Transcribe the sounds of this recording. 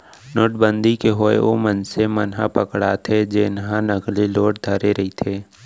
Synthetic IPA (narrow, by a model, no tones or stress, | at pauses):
noːʈbə̃nd̪ʱikeɦoːḛomənsemənɦa̰pəkɽa̰t̪ʰed͡ʒenɦãnəkliloːʈ̚d̪ʱɐɾeɾɐɦit̪ʰeː